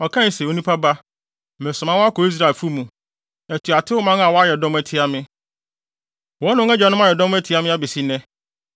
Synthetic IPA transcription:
ɔ˨kʰã˦n˨sɛ˨o˨˦nũ˦pʰa˦ba˦ | mɛ̃˨sʊ̃˨mã˦wɔ˦a˦kɔ˨i˦s̬ɾa˦˨fu˦mũ˨ | æ˨tʰu˨a˨tʰɪ˦ʊ˦mã˦ŋ˦a˨wɔ˦a˦jɛ˨dɔ̃˦m˦æ˦tʰɪ˦a˦mɪ̃˦ | wɔ̃˦nʊ̃˦ɛ˦d͡ʑᶣa˨nʊ̃˦m˦a˦jɛ˨dɔ̃˦m˦æ˦tʰɪ˨˦a˦mɪ̃˦a˦bɛ˨si˦nɛ̃˦

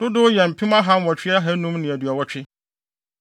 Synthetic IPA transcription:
d̥ʊ˦dʊ˦jɛ˨m̩˨pʰĩ˦mã˦ɦã˦m˦wɔ˨t͡ɕʰᶣɪ˦a˦ɦæ˦nũ˦mnɪ̃˨æ˨dɥa˨wɔ˦t͡ɕᶣɪ˦

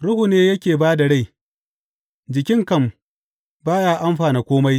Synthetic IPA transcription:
ɽʊ˦hu˨neː˦jɐ˦kʲeː˨baː˦da˨ɽa˦˨j | d͡ʒɪ˨kʲɪ˦ŋkɐ˦˨m | baː˦jaː˦ʔa˦mɸaː˨ne˨kʷoː˦ma˦j

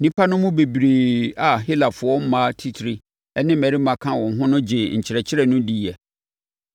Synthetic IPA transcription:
nĩ˦pʰa˦nʊ̃˦mũ˦be˨bɾeː˨a˨ɦi˦la˨fʊ˨ɔ˦m̩˦mã˦tʰi˦tʰɾi˦ | ɛ˦nɪ̃˦mɛ̃˨ɾi˦mã˨kʰã˦wɔ̃˨ŋ̩˨ɦʊ̃˦nʊ̃˦d͡ʑɪ˨ɲ̩˨t͡ɕʰɪ˨ɾɛ˨t͡ɕʰɪ˦ɾɛ˦˨nʊ̃˦di˦˨ɛ˨

